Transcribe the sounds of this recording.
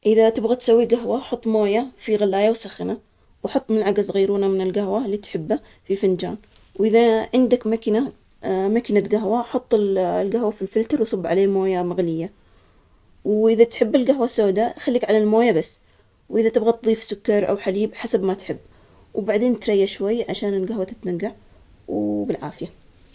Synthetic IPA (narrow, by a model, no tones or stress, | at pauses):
ʔɪðat̪ɪbɣat̪sawːiɡaɦwaħʊt̪ˤːmoːjafiɣalːaːjawsaxɪna | wħɑt̪ˤːmɪnʕaɡazɣiːɾuːnamɪnɪlɡaɦwaliːt̪ħɪbːa | fifɪnd͡ʒa̰ːn | wʔɪðaʕɪnd̪akmakna | makɪnaɡaɦwaħʊt̪ˤːɪllɡahwafilfɪlt̪ɑɾˤwsˤɨbːʕaleːmoːjamaɣlɪjːa | wʔɪðat̪ħɪbːɪlɡaɦwasːoːd̪axalːiːkʕalalmoːjabasː | wʔɪðat̪ɪbɣat̪ðˤiːfsʊkːɑɾˤʔa̰wħaliːbħasabmat̪ħɪbː | wbaʕd̪eːnt̪ɾˤɑjːaʃwajːʕaʃaːnɪlɡaɦwat̪ɪt̪naɡːaʕ | wbɪlʕa̰ːfɪja